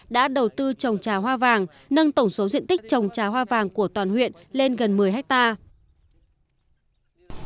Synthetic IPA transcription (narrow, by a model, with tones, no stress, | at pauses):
ɗa̰ː˧˥ɗə˨˩wt̪ɨ˧t͡ɕə˨˩wŋ͡mt͡ɕaː˨˩ɦwaː˧vaː˨˩ŋ | nə˧ŋt̪ə˧˩wŋ͡mso˨˦zḭ˧˨ənt̪ï˦˥k̚t͡ɕə˨˩wŋ͡mt͡ɕaː˨˩hwaː˧vaː˨˩ŋku˧˩ət̪waː˨˩nhwḭ˧˨ənle˧nɣə˨˩nmɨ˨˩əjɦa˦˥k̚t̪aː˧